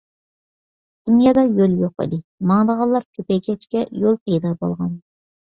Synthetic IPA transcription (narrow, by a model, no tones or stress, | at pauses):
d̪̥ɪmjɛd̪ɑjølˠjoqɨ̰d̪ɨmɑŋd̪əʁɑlˠːɑɾkʲʰøpɛjkʲʰɛt͡ʃkʲɛjolˠpʰɑjd̪ɑbo̰lˠʁɑn